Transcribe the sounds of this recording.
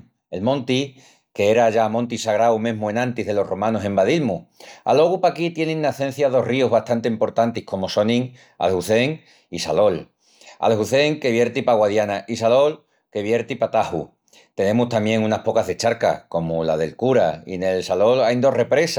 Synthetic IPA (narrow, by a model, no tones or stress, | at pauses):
e̞lmõ̞nt̪i | ke̞eɾaʝamõ̞nt̪isaɣɾawmẽ̞ɦmuenãnt̪iɦðe̞lo̞ro̞mãnose̞mbaðilmua̰lo̞ɣupakit̪je̞neŋnaθe̞n̟θjað̞o̞riozβast̪ant̪eimpo̞ɾt̪ant̪ihko̞mo̞so̞nĩŋ | a̰lhuθe̞ŋ | isalo̞l | a̰lhuθe̞ŋke̞βje̞ɾt̪ipaɣwaðjanaʔisalo̞l | ke̞βje̞ɾt̪ipat̪ahṵ | t̪e̞ne̞must̪amje̞ŋunahpo̞kazðe̞t͡ʃaɾka̰ko̞molaðe̞lkuɾaḭne̞lsalo̞lajnd̪o̞re̞pɾe̞sa